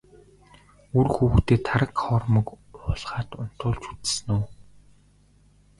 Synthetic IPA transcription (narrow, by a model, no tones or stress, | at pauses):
urxuːxt̪eːt̪ʰaɾə̆kχɔːrmə̆k | ʊɮʁaːt̪ʊn̥t̪ʊːɮt͡ɕut͡s̪̆sɘnuː